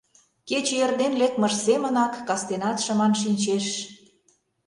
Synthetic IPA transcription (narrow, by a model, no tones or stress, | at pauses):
ket͡ɕejerd̪enlek̚mə̆ʃsemə̆nɑkːɑst̪enɑt̪ʃə̆mɑnʃ̬inʲt͡ɕeʃ